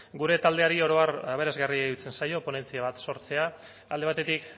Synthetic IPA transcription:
ɡuɾe̞t̪ald̪e̞aɾio̞ɾo̞araβ̞e̞ɾazɣarieut͡se̞nsajo̞po̞ne̞nt͡siaβ̞at̪so̞ɾt͡se̞a | ald̪e̞βat̪e̞t̪ik

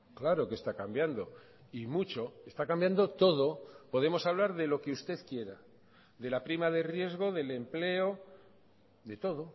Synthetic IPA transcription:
klaɾo̞ke̞st̪akambjand̪o̞ | imut͡ʃo̞est̪akambjand̪o̞t̪o̞ð̞o̞po̞ðe̞mo̞saβ̞laɾðe̞lo̞ke̞ust̪e̞ðkje̞ɾa | ðe̞lapɾimaðe̞rje̞zɣo̞ðe̞le̞mple̞o̞ | ðe̞t̪o̞ð̞o̞

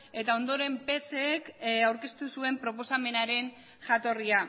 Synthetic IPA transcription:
e̞t̪ao̞nd̪o̞ɾe̞mpe̞sekawɾke̞st̪usue̞mpɾo̞po̞same̞naɾe̞n | ʝat̪o̞ria

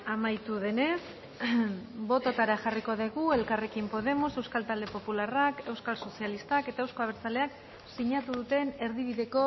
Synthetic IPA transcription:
amajt̪uð̞e̞ne̞s | bo̞t̪ot̪aɾaʝariko̞ðeɣue̞lkarekimpo̞ð̞e̞mose̞wskalt̪ald̪e̞po̞pularake̞wskalso̞sialist̪ake̞t̪aewsko̞aβeɾt͡sale̞ak | siɲat̪uðut̪e̞ne̞ɾðiβ̞iðe̞ko̞

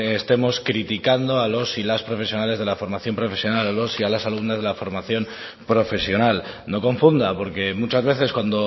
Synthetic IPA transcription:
est̪e̞mo̞skɾit̪ikand̪o̞alo̞silaspɾo̞fe̞sjo̞nale̞zðe̞lafo̞ɾmaθjo̞mpɾo̞fe̞sjo̞nalalo̞sialasaluβnazðe̞lafo̞ɾmaθjo̞m | pɾo̞fe̞sjo̞nal | no̞ko̞ɱfund̪apo̞ɾke̞mut͡ʃazβ̞e̞θe̞skwand̪o

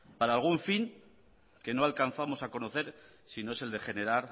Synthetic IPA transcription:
paɾaːlɣuɱfiŋ | ke̞noalkan̟θamo̞sako̞no̞θe̞ɾ | sino̞ese̞ld̪e̞χe̞ne̞ɾaɾ

